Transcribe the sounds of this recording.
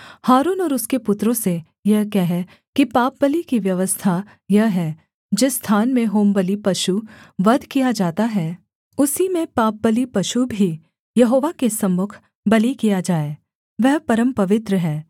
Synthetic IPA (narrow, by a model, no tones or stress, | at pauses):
haːɾuːnɔːɾʊskepʊt̪ɾõse | jɐɦkɛɦɛ | kipaːp̚bəlikiʋjɐʋəst̪ʰa | jɐɦɦɛː | d͡ʒɪsːt̪ʰaːnmẽɦoːmbəlipɐʃuʋɐd̪ʱkijad͡ʒaːt̪aɦɛː | ʊsimẽpaːp̚bəlipɐʃubʱi | jɐɦoːʋakesɐmːʊkʰ | bɐlikijad͡ʒaːeː | ʋɛɦpɐɾə̃mpɐʋɪt̪ɾəɦɛː